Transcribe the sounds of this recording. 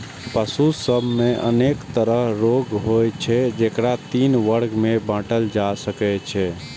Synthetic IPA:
pəsusəbʱmeʔə̰nekt̪əɾəɦɾoɡɦojt͡ʃʰɛd͡ʒekɾat̪inʋəɾɡmebãʈəld͡ʒasəkɛt͡ʃʰɛ

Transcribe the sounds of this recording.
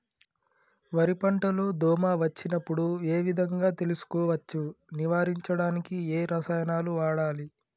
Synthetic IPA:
ʋɐɾipɐɳʈɐloːd̪ɔːmaːʋɐt͡ʃːinɐpːuɽue̞ːʋid̪ʱɐŋɡaːt̪e̞lusu̥kɔːʋɐt͡ʃːuniʋaːɾiɲt͡ʃɐɽaːnikieːɾɐsɐjɐnaːluʋaːɽaːli

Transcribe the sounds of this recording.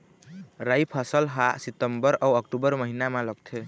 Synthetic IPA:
ɾajpʰəsəlɦasit̪əmbəɾawəkʈubəɾməɦinamaləɡ̚t̪ʰe

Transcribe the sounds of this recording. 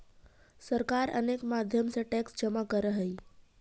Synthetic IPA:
səɾkaɾə̰nekmad̪ʱjəmseʈɛksd͡ʒəmakəɾəɦəi

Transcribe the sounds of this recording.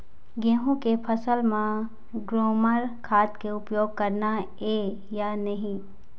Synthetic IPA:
ɡẽːɦũkepʰɐsəlmã | ɡɾoːməɾkʰaːt̪keʊpjoːɡ̚kɐɾna | eː | janɐɦĩ

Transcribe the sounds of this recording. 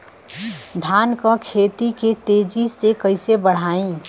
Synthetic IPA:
d̪ʱaːnkə̃kʰeːt̪iket̪eːd͡ʒisekəɪsebəɽ̤aːĩ

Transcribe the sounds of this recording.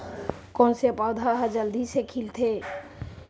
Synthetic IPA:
kɔ̃ːnseəpaːd̪ʱaɦd͡ʒəld̪ʱisekʰilt̪ʰe

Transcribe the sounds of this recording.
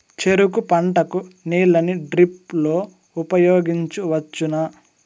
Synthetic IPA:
t͡ʃeɾukupɐɳʈɐkuniːlɐniɖɾip̚lo̞ː | upɐjoːɡiɲt͡ʃuʋɐt͡ʃːunɐ

